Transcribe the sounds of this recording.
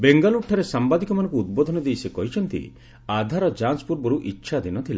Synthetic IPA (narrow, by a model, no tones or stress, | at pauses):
beŋɡɔluʈʰɔɾesambad̪ikɔmanɔ̃ŋkuːd̪̚bɔd̪ʱɔnɔd̪ejsekɔɦit͡ʃʰɔnt̪ḭ | ad̪ʱaɾɔd͡ʒanspuɾbɔɾuʔitːʃʰad̪inɔt̪ʰila